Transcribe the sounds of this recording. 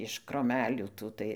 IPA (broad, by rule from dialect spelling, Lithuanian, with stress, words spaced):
ɪʃ kroːˈmʲæːlʲuː ˈtuː tɐɪ